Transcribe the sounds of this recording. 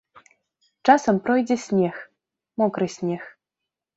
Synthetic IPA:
t͡ʂasɐmpɾɔjd͡zʲɛsʲnʲɛx | mɔkɾɨsʲnʲɛx

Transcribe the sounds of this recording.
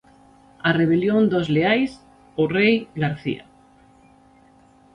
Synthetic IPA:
areβ̞eljond̪ozleajs | ʊrejɣaɾθḭa̰

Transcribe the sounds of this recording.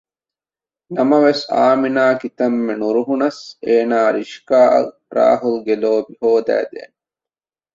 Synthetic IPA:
nɐmɐʋesa̰ːminaːkit̪ɐmːenuɾuɦunɐseːnaːɾiʃkaːʔɐ̰ | ɾa̰ːɦulɡeloːbihoːd̪æ̰ːd̪ḛːn

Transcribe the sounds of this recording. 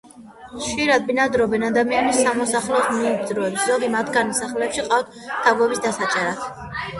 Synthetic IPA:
χʃiɾad̪̚binad̪ɾɔbɛnad̪amianisamɔsaχlɛɔsmiːzɾɔɛpszɔɡimat̪ʰɡanisaχlɛɛpʃiqʼat̪ʰt̪ʰavɡɔbisd̪asat͡ʃʼɛɾat̪ʰ

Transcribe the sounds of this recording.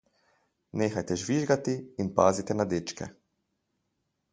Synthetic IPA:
neːxajt̪ɛʒʋiʒɡat̪iːnpa̰ːzit̪ɛnad̪eːt͡ʃkɛ̰

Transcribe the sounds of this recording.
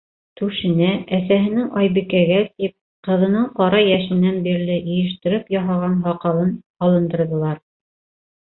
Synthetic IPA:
t̪ʉʃɘ̆næʔæsæɦɘ̆nɘŋɑjβɘ̆kæɡæt̪ip̚ | qɤ̆ðɤ̆nɤɴqɑɾɑjæʃɘ̆nːænbiɾlɘʔɘ̆jɘ̆ʃ̬t̪ɘ̆ɾɘpjɑɦɑʁɑnɦɑqɑlˠɤn | ɑlˠɤ̆nd̪ɤ̆ɾðɤ̆lˠɑɾ

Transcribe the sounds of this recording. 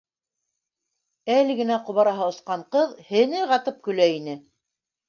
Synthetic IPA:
ælɘ̆ɡɘ̆næqŏβɑɾɑɦɑŏsqɑɴqɤðhɘ̆nɘʁɑt̪ɤp̚kɵ̆læinɘ

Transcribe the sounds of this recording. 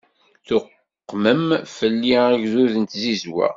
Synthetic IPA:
θʊqː | məmfəlːiæʝzuðənt̪zizwæ̰

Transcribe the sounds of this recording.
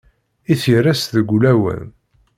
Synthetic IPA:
iθirːæsðəɡʷulæwə̰n

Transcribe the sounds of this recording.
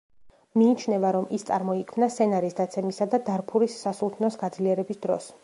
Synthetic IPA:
miːt͡ʃʰnɛvaɾɔmist̪sʼa̰ɾmɔikʰmnast̪ʰɛnaɾisd̪at̪sʰɛmisad̪ad̪aɾpʰuɾisːasulˠt̪ʰnɔsɡad̪zliɛɾɛbisd̪ɾɔ̰s

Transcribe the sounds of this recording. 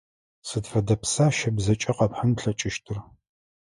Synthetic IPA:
sɨdfɐdɐpsaːʃɐbzɐt͡ʃʼɐqɐpħanɬɐt͡ʃʼɪʃtʰɨr

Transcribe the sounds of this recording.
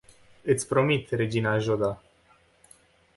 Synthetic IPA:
ɨt̪sʲpɾo̞mit̪re̞d͡ʒinaʒod̪a

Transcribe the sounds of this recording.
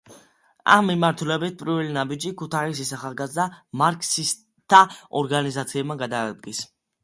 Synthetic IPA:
a̰mːimaɾt̪ʰulɛbit̪̚pʼɾivɛlinabid͡ʒikʰut̪ʰais̬isaχalˠɡazd̪amaɾkʼsis | t̪ʰaɔɾɡanizat̪sʰiɛbmaɡad̪aːd̪ɡis

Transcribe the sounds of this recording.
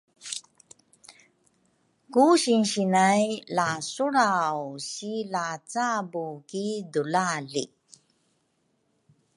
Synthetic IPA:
kuɕinɕinajlasuɾawɕilat͡sabukidulaɮḭ

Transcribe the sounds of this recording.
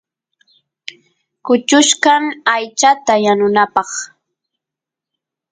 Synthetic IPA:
kʊt͡ʃʊʃkaŋajt͡ʃat̪ajanʊnapɑχ

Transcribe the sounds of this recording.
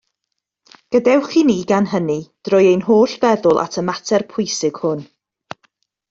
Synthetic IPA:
ɡ̥ədɛwχiniːɡanɦənid̥rɔjejnɦoːɬvɛðʊlˠʔa̰tʰəmatʰɛrpʰʊjsɪɡ̥hʊn

